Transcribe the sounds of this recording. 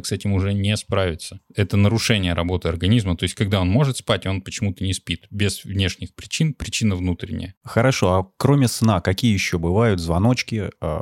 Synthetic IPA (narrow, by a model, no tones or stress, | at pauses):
ksɛtʲɪmʊʐɛnʲɪspɾavʲɪt̪səɛt̪ənəɾʊʂɛnʲɪjəɾɐbo̞t̪ɨɐrɡɐnʲizmət̪o̞ɪsʲtʲkɐɡ̚d̪ao̞nmo̞ʐɨt̪spatʲo̞npət͡ɕɪmut̪ənʲɪspʲit̪bʲɪz̥vnʲeʂnʲɪxpɾʲɪt͡ɕinpɾʲɪt͡ɕinəvnut̪ɾʲɪ̰nʲɪ̰jəxəɾɐʂo̞ɐkɾo̞mʲɪsnakɐkʲijəjɪɕːobɨvajʊt̪zvɐno̞t͡ɕkʲɪə̰